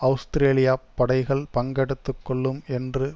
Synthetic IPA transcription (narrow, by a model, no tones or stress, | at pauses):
ɐʋʊst̪ɾeːlɪjaːpːɐɽɐɪɣɐɭpɐŋɡɛɽɯt̪ːɯkːɔɭːɯmɛndrɯ